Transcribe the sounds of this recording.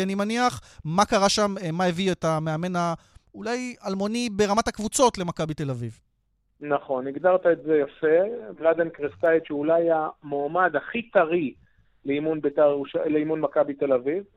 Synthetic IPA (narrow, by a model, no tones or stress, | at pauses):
animaniaχmakaʁaʃammaevietameame̞na | ulajalmo̞nibeʁamathakvut͡so̞t̪le̞makabit̪e̞laviv | naχo̞niɡd̪aʁt̪aetzejafeblad̪enkʁest̪ait̪ʃeulajamoːmad̪aχit̪aʁi | leimunbet̪aʁeuʃaleimunmakabit̪elaviv